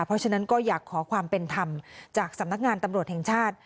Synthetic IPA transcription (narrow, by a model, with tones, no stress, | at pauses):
pʰɾɔ˦˥t͡ɕʰa˦˥na˦˥nkɔː˥˩jaː˨˩kʰːɔː˩˦kʰwaː˧mpe˧nt̪ʰa˧mt͡ɕaː˨˩k̚sa˨˩˦mna˦˥k̚ŋaː˧nt̪a˧mɾu˨˩ət̪̚hɛː˨˩ŋt͡ɕʰaː˥˩t̪̚